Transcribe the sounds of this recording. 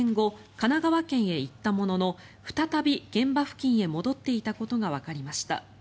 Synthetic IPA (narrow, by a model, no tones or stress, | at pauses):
ŋɡo̞ | kanaɡaβakẽ̞ɰ̃e̞it̪ːamo̞no̞no̞ | ɸɯ̟̥t̪at̪abʲiɡ̥ẽ̞mbaɸɯ̟̥kʲĩɰ̃e̞mo̞d̪o̞t̪ːe̞it̪ako̞t̪o̞ɡaβ̞akaɾʲimaɕi̥t̪a̰